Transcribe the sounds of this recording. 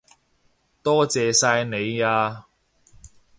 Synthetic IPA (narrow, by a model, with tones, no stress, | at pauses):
t̪ɔː˥t͡sɛː˨saː˧jne˨˧jaː˧